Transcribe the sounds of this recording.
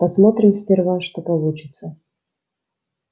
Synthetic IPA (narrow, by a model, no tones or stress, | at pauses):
pɐsmot̪ɾʲɪmspʲɪrvamʂt̪opɐlˠut͡ɕɪt̪sə